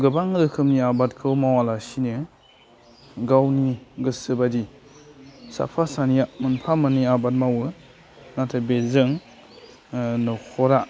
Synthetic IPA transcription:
ɡɯbaŋɾɯkʰɯmniabat̚kʰɯwmawalasinɯ | ɡawniɡɯsɯbadi | sa̰pʰasaniamɯnpʰamɯniabat̚mawɯ | natʰabezɯŋ | nɔkʰɔɾa

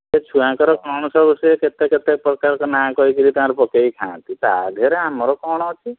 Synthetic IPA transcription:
et͡ʃʰuãkɔɾɔkɔɽ̃ɔsɔbisɔjeket̪eket̪ek̚pɾɔkaɾkɔnãkɔɦikilit̪aãɾpɔkeikʰãːt̪it̪a̰d̪ʱeɾeamɔɾɔkɔɽ̃ɔɦɔt͡ʃʰi

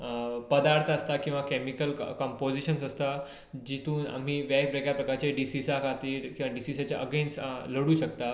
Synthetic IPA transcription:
pəd̪aɾt̪ʰəəst̪akĩw̃ʋakɛmikəlkɔ̃mpod͡ʑiɕənsəst̪a | d͡ʑit̪uːna̰m̤iːʋak̚bɾekjapɾəkaɾt͡ɕeɖisisakʰat̪iːɾkĩw̃ʋaɖisisat͡ɕjaʔə̰ɡensləɽuːɕəkt̪a

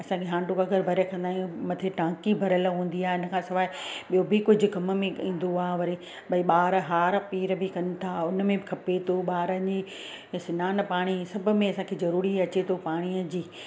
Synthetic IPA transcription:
ɐsãkʰeɦãːɳʈokɐɡəɾbʱɐɾjekɐ̃nd̪aːɦijũmɐt̪ʰeʈãːkibʱɐɾəlɦũːn̆d̪iaːɪnə̆kʰãːsɪʋaːɪɓijobɪkʊd͡ʑʱʊ̆kɐm̆mẽĩːn̆d̪oaːʋɐɾi | ɓɐiɓaːɾɦaːɾpiːɾbɪkɐnɪ̆t̪ʰaːʊnmẽbɪkʰɐpet̪ʰoɓaːɾəi | sɪnaːn̆paːɽ̃isɐbʱʊ̆mẽɐsãkʰezɐɾuːɾiɐt͡ɕet̪ʰopaːɽ̃iəd͡ʑiː

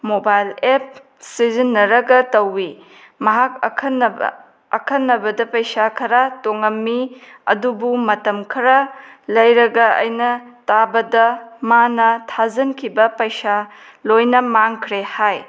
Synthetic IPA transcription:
mobajlep̚ | sizinːɐɾɐɡɐtɐwːi | mɐɦak̚kʰɐnɐb̰ | ɐkʰɐnːɐbɐdɐpɐjsakʰɐɾatoŋɐmːiɐ̰dubumɐtɐmkʰɐɾɐlɐjɾɐɡɐɐ̰jnɐtabɐdɐmanɐtʰazɐnkʰibɐpɐjsa | lojnɐmaŋkʰɾehaj

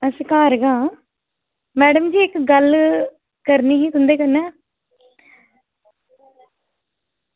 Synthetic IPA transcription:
əskaːɾɡãː | mɛːɖəmd͡ʒiːɪkɡəl | kəɾniːɦiːt̪ʊnd̪eːkənɛː

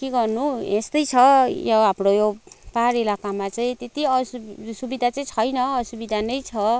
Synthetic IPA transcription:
keɡʌrnuest̪ʌjt͡sʰʌjʌɦamrojopaɾilakamat͡saĩt̪et̪iʌssubid̪ʱat͡saĩt͡sʰʌjnʌːsubid̪ʱanʌjt͡sʰʌ

